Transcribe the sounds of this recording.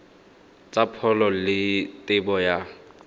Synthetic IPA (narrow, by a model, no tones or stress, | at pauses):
t͡sʼapʰɔlɔlɪtʼɪbɔja